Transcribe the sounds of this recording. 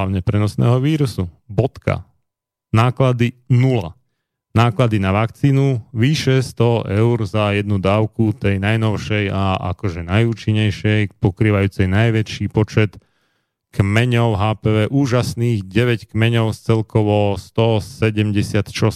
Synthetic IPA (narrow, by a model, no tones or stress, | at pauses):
aʊɲɛpɾɛnɔsnɛ̰ːɦɔʋiːɾusu | bɔt̪ka̰ | naːklad̪inula̰ | naːklad̪inaʋakt͡siːnuʋiːʃɛst̪ɔʔɛʊɾzajɛd̪nud̪aːʊkut̪ɛjnajnɔʊʃɛjaʔa̰kɔʒɛnajuːt͡ʃiɲːɛjʃɛjpɔkɾiːʋajuːt͡sɛjnajʋɛt͡ʃiːpɔt͡ʃɛt̪ | kmɛɲɔʊɦaːpɛʋɛːʔuːʒasniːɣɟɛʋɛckmɛɲɔʊst͡sɛlkɔʋɔst̪ɔsɛɟɛmɟɛsɪat̪ʃɔs